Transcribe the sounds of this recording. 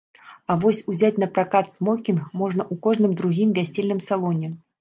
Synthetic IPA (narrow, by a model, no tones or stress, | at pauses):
avɔsʲuzʲat͡sʲn̪ɐpɾakat̪smɔkʲinxmɔʐnɐʔukɔʐnɨmd̪ɾuɣʲimvʲasʲelʲnɨmsalˠɔnʲɛ